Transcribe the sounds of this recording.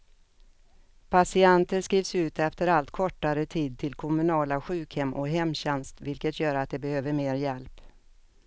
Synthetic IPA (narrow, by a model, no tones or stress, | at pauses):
pʰasɪant̪əskɾiːvsʉ̟ːt̪ɛft̪əɾalt̪kʰɔʈːaɾət̪ʰiːd̪̚t̪ʰɪlkʰɔmɵnɑːlaɧʉ̟ːkhɛmːʔɔɦɛmːɕɛnst̪vɪlkət̪jœːɾat̪̚d̪ɛbɛhøːvəɾmeːɾjɛlp